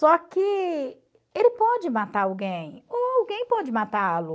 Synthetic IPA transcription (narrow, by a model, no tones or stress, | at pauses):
sɔkɪ | elɪpɔd͡ʒɪmat̪aɾawɡẽj̃oawɡẽj̃pɔd͡ʒɪmat̪aalu